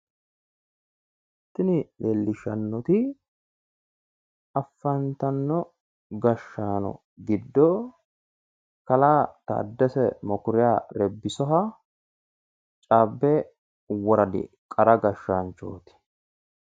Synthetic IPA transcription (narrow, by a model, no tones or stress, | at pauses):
ɛ | t̪ːɪnɪleːlːɪʃɐnːɔt̪ɪ | ɐfːɐnt̪ɐnːɔ | ɡɐʃːaːnɔ̰ | ɡɪd̪ːɔ | kɐlaːt̪ɐ̰d̪ːɛsɛmɔkʊɾɪjaːɾɛbːɪsɔɦɐ | t͡ʃʼaːbːɛ | wɔɾɐd̪ɪ̰ | kʼɐɾɐɡɐʃːant͡ʃo̰ːt̪ɪ̥